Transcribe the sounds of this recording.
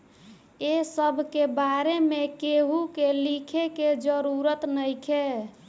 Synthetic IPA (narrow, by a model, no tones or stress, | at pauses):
esəbʱkebaɾemekeɦukelikʰeked͡ʒəɾuɾət̪nəjkʰe